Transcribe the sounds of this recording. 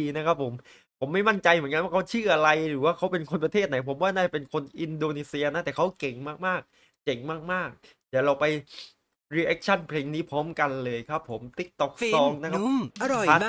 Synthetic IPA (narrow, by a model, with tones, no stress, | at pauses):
iː˧na˦˥kʰa˦˥p̚ʰːo˩˦m | pʰo˩˦mːa˥˩jma˥˩nt͡ɕa˧jmɯ˩˦nŋka˧nwa˥˩kʰwt͡ɕʰɯː˥˩ʔa˧ɾa˧jɾɯː˨˩˦waː˥˩kʰa˦˥wpe˧nkʰo˧npɾa˧t̪ʰeː˥˩t̪̚na˩˦jpʰo˩˦mwaː˥˩naː˥˩t͡ɕa˨˩pe˧nkʰo˧nʔi˧ndoː˧niː˧si˧ɐna˦˥t̪ɛː˨˩kʰwke˨˩ŋmaː˥˩k̚maː˥˩k̚ | ke˨˩ŋmaː˥˩k̚maː˥˩k̚ | j̪aː˨˩ɾa˧wpa˧j | ɾiː˧˥ʔɛ˦˥k̚t͡ɕʰa˥˩npʰleː˧ŋniː˦˥pʰɔː˦˥mka˧nlɤː˧jkʰɾa˦˥pʰːo˩˦mt̪i˦˥k̚t̪ɔ˦˥k̚sɔː˧ŋna˦˥kʰa˦a˧˥˨